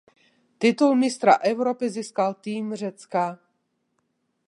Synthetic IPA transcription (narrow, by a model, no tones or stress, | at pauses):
t̪ɪt̪ulmɪst̪ɾa̰ʔɛwɾopɪziːskalt̪iːmr̝ɛt͡ska